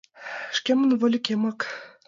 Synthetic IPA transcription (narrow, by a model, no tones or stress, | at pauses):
ʃkʲemə̆nvɤ̆lʲĭkʲemɑk